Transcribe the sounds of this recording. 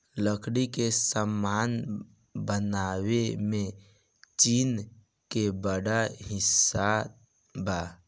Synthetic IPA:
ləkʰɽikesəmːaːn | bənawemẽ | t͡ʃiːn | kebəɽaɦɪsa | ba

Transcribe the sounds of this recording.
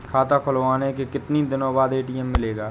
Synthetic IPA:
kʰaːt̪akʰʊloʋaːnekekɪt̪nid̪ɪnõːbaːd̪eːʈiːɛmːɪleːɡaː

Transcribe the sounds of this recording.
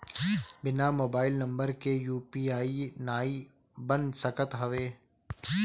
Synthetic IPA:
bɪnamoːbaːɪlnɐ̃mbəɾkejuːpiːaːinaːibə̃nsɐkət̪ɦɐʋeː

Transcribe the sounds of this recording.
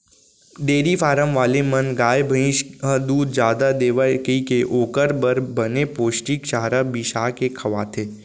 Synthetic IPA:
ɖeːɾifaːɾəmʋaːlemɐnɡaːjebʱəɪ̃ʃəd̪uːd̪d͡ʒjaːd̪ad̪eːʋakikeʔoːkəɾbəɾbɐnepoːʃʈikʃaːɦɾabɪʃaːkekʰɐʋa̰ːt̪ʰeː

